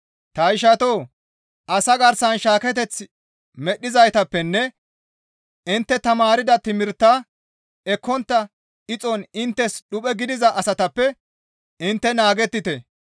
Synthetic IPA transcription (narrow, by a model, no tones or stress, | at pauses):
t̪ɐɪʃɐt̪oː | ʔɐsɐɡɐɾsɐnʃaːkɛt̪̬ɛt͡sː | mɛɗːɪzɐjt̪ɐpːɛnːɛ | ɪnt̪ːɛt̪ɐmaːɾɪd̪ɐt̪ɪmɪɾt̪ːa | ɛkːɔnt̪ːɐ | ʔɪt͡sʼɔnɪnt̪ːɛsɗʊpʼɛɡɪd̪ɪzɐʔɐsɐt̪ɐpːɛ | ɪnt̪ːɛnaːɡɛt̪ːɪt̪ɛ